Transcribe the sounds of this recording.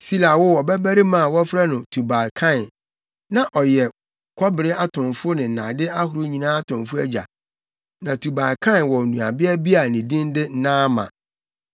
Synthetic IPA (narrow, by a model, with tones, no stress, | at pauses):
si˦la˨wʊ˦wɔ˨bɛ˦bæ˦ɾi˦mã˨wɔ˦fɾa˦nʊ̃˨tʰu˨ba˨lkʰã˦˨n | nã˨ʔɔ˨jɛ˨ | kʰɔ˦bɪ˨ɾɪ˦a˦tʰʊ̃˨nfʊ˦nɪ̃˨n̩˨nã̰˨dɪ˦a˦ɦʊ˨ɾʊ˦ɲĩ˨nãː˦a˦tʰʊ̃˨mfʊ˦æ˦d͡ʑa̰˨ | nã˨tʰu˨ba˨lkʰã˦˨nwɔ˨nũ˨a˨bɪ˦ɛ˦bi˦a˨nĩ˨dĩ˦n˦dɪ˦n̩˦nãː˦mã̰˨